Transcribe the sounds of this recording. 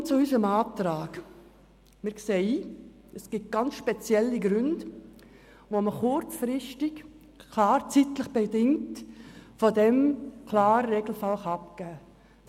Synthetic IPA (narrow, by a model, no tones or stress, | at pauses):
t͡suysəmaːtɾaːɡ | mɪɾkseːiː | əsɡ̥ɪt̚ɡ̥ɑnt͡sʃpɛt͡sjɛlːiɡɾʏnd | voməχʊɾt͡sfɾɪstɪk | kʰlaːɾt͡sitləχb̥edɪŋtfodɛmkʰlaːɾəɾeɡl̩fɑlχɑp̚kæː